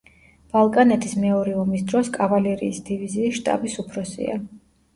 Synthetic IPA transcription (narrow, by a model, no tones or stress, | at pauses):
b̥alˠkʼanɛt̪ʰismɛɔɾɛɔmisd̪ɾɔskʼavalɛɾḭːsd̪iviziːʃt̪ʼa̰bisupʰɾɔsḭa̰